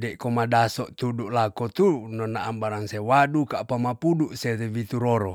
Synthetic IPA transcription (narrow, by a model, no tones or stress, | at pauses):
dɛkomadasɔʔt̪uduʔlakot̪unɔnaʔːmbaɾaŋsewadukapamapuduʔsetewit̪uɾoɾo